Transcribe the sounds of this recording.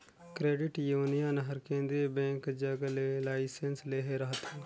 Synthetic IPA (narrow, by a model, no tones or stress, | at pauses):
kɾeːɖɪʈjuːnijanɦɐɾkẽːnd̪ɾibɛ̃ːŋkd͡ʒɐɡlelaːɪsensleːɦeɾɐɦət̪ẽ